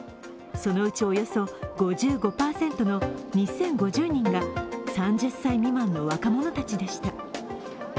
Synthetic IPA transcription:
so̞no̞ɯ̟t͡ɕio̞jo̞so̞ɡo̞ʑɨːɡo̞paːsẽ̞nt̪ono̞ɲ̟isẽ̞ŋɡo̞ʑɨːɲ̟ĩŋɡasãɲ̟d͡ʑɨsːaimʲimãnːo̞βakamo̞no̞t̪at͡ɕid̪e̞ɕi̥t̪a

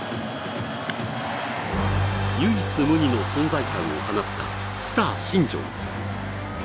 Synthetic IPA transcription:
jɯːit͡sɨmɯ̟ɲ̟ino̞sõ̞nd͡zaikãɰ̃o̞̰hanatt̪ːa̰ | sɨ̥t̪aːɕĩɲd͡ʑõ̰ŋ

